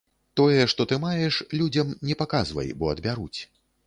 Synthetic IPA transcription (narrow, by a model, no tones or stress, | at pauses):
t̪ɔjɛʂt̪ɔt̪ɨmajɛʂlʲud͡zʲɐmnʲɛpakazvɐ̰jbɔɐd̪bʲaɾut͡sʲ